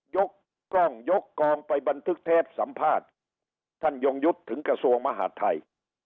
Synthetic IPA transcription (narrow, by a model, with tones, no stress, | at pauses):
jo˦˥k̚ː | ɔ˥˩ŋjo˦˥kːɔː˧ŋpa˧jba˧nt̪ʰɯ˦˥k̚t̪ʰɛː˥˩p̚sa˩˦mpʰaː˥˩t̪̚ʰː | a˥˩njo˧ŋju˦˥t̪ʰːɯ˩˦ŋkɾa˧su˧əŋma˧ɦa̰ː˨˩˥t̪ʰːa˧j